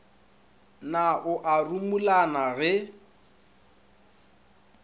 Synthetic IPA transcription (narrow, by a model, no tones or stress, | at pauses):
naʔʊʔarumulanaɣɛ